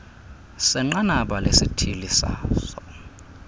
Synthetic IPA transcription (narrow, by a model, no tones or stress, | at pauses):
sɛŋ͡ǃanaɓalesitʰilisa̰ːsɔ